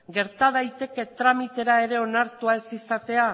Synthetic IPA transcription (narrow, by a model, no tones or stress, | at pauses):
ɡe̞ɾt̪að̞ajt̪e̞ke̞t̪ɾamit̪e̞ɾae̞ɾe̞o̞naɾt̪uae̞sisat̪e̞a